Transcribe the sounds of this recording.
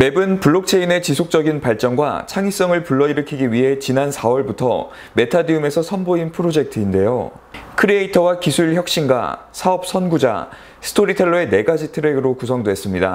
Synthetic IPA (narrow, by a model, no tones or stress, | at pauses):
me̞bɯnpuɭːok̚t͡ɕʰe̞ine̞t͡ɕisʰok̚t͡ɕ͈ʌɡinpaɭt͡ɕ͈ʌŋɡwa̰t͡ɕʰaŋis͈ʌŋɯɭpuɭːʌiɾɯkʰiɡiɥiɦe̞t͡ɕinansʰawʌɭbutʰʌ̰ | me̞tʰadiume̞sʰʌsʰʌnboinpʰɯɾod͡ʑe̞k̚tʰɯinde̞jo̰ | kʰɯɾieitʰʌwakisʰuɭçjʌk̚ɕ͈inɡwa̰ | sʰaʌp̚s͈ʰʌnɡud͡ʑa̰ | sʰɯ̥tʰoɾitʰeɭːoe̞ne̞ɡad͡ʑitʰɯɾeɡɯɾokusʰʌŋdwe̞s͈ɯmɲida̰